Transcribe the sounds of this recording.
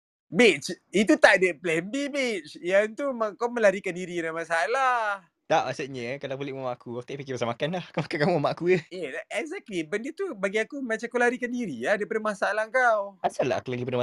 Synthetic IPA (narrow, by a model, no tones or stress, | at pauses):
bit͡ʃit̪̬ut̪aʔdəplɛmbibit͡ʃjant̪umaŋkawmə̃laɾikandiɾinamasalah | t̪aʔmasuʔɲəkalabolɪʔmamaʔkuat̪ɛʔpikipasamakanlahkamakakamamaʔakujəjəɛɡzɛk̚libəndət̪ubaɡiakumat͡ʃakalaɾikandiɾiladapadəmasaalahŋkawasala̰a̰kulaɡipadəma